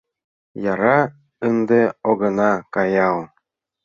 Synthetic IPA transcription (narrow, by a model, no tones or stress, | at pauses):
jɑɾɑ | ɯnd̪ɤoɡɤ̆nɑkɑjɑwˠ